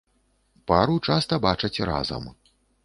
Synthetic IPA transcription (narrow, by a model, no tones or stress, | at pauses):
paɾut͡ʂast̪ɐbat͡ʂɐt͡sʲra̰zɐ̰m